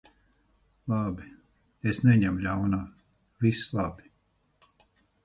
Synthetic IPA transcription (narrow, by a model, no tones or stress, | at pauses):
lˠabi | esnɛɲɛmlʲawnaː | vislˠabi